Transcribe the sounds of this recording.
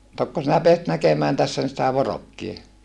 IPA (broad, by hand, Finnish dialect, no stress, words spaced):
tokːo sinæ peæsit nækemæːn tæsːæ sitæ ʋorokːie